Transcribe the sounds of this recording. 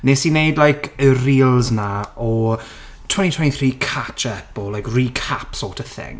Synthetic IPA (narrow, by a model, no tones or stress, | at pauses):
nesinejdlajkʰəriːlˠznaɔ | tʰɔnitʰwɔnθriːkʰat͡ʃʰɛpɔlajkriːkʰapsɔːtʰəθɪ̰ŋ